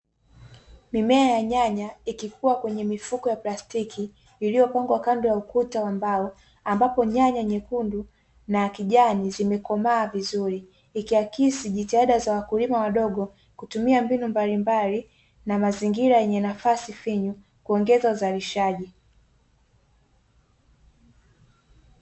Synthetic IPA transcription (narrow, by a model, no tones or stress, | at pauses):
mimɛajaɲaɲaikikʰuwakwɛɲɛmifukɔjaplastikʰiː | lijɔpaŋɡwakandɔjaukutawambaɔ | ambapɔɲaɲaɲɛkundu | nakiʄanizimɛkɔmaːvizuɾiː | kiakisiʄitihaɗazawakulimawaɗɔɠɔ | kutumiambinumbalimbali | namaziŋɡiɾajɛɲɛnafasifiɲu | kuɔŋɡɛzauzaliʃaʄi